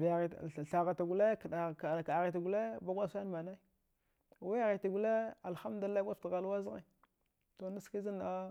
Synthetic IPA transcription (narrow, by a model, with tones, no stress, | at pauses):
vja˨ɣɬa˨ɣa˨ta˨ɡu˨le˦ka˨ka˨ɣi˨ta˨ɡu˨le˦ba˦ɡʷa˦sn˦ma˨na˦i˦˨ | wa˦a˦˨ɣi˨ta˨ɡu˨le˦a˨lxa˦m˦du˨˦a˦a˦tɣa˨la˦zɣe˨ | to˨na˦ski˦zi˦na˦